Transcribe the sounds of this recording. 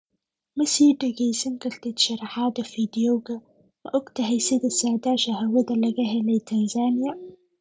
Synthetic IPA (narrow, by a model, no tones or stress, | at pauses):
mɐsiːɖɐɣɛjsɐŋkʰɐrt̪ʰɛːd̪̥ʃɑɾɑħɑːðɐfiːd̪ɪjɔɣɐ | mɐʔɔɡt̪ʰɐɦɛjsɪðɐsaːʕðaːʃɐhɐwɐðɐlɐɣɐɦɛlɛjt̪ʰɐnsaːnɪjɐ